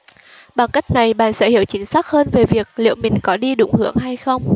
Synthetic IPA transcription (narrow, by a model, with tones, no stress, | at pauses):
ɓa˨˧˩ŋka˦˥jk̟̚na˨˩jɓa̰ː˧˨nsɛ̰˧˥hi˧˨əwt͡ɕï˨˦ŋ̟saː˦˥k̚həː˧nve˨˩vi˨˩ək̚lḭ˧˨əwmï˨˩ŋ̟kɔ˨˦ɗi˧ɗʊ̰˧˩˦ŋ͡mhɨ˨˦˥əŋɦa˧jxə˧wŋ͡m